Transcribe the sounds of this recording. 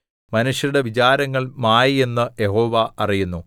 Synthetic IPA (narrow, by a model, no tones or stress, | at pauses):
mɐnuʂjɐɾuɽe̞ʋit͡ɕaːɾɐŋːɐɭmaːjie̞nːɨjeɦo̞ːʋɐɐrijunːu